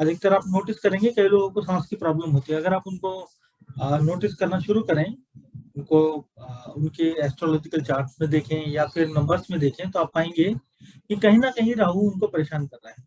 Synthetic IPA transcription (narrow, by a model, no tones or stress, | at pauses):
ɐd̪ek̚t̪ɐɾaːpnoːʈɪskɐɾẽːŋɡekɐɦiloːɡõkosãːskipɾaːbləmɦoːt̪iɦɛɐɡəɾaːpʊnko | noːʈɪskɐɾnaʃʊɾukɐɾẽː | ʊnko | ʊnkeɛːsʈɾɔːlɔːd͡ʒɪkəlt͡ʃaːɾʈsmẽd̪eːkʰẽjafʰɪɾnɐ̃mbəɾsmẽd̪eːkʰẽt̪oaːp̚ːaːẽːŋɡe | kikɐɦĩnakɐɦĩɾaːɦuʊnkopɐɾeːʃaːnkɐɾːaɦɛː